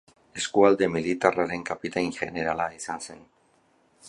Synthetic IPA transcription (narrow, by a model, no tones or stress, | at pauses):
e̞skuald̪e̞milit̪araɾe̞ŋkapit̪ajŋʝe̞ne̞ɾalaisanse̞n